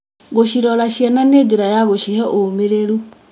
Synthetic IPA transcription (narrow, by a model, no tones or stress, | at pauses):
ɣoɕiɾɔɾaɕjɛnanediɾajaɣoʃihɛʔomeɾeɾu